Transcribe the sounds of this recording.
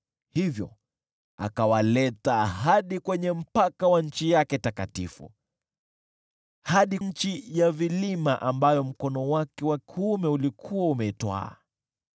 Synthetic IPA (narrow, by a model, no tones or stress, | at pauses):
hivjɔ̰ | a̰kawalɛtaɦaɗikwɛɲɛm̩pakawaɲ̩t͡ʃijakɛtakatḭfṵ | haɗiɲ̩t͡ʃijavilimaʔambajɔm̩kɔnɔwakɛwakiumɛulikʰuwaumɛitwa̰ː